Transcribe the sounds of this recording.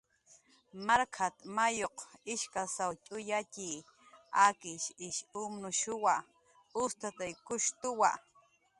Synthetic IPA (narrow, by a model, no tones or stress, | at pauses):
maɾkʰat̪majoqɪʃkasawt͡ʃʼʊjat͡ʃiː | akɪʃɪʃʊmnʊʃʊwa | ʊst̪at̪ajkʊʃt̪ʊwa̰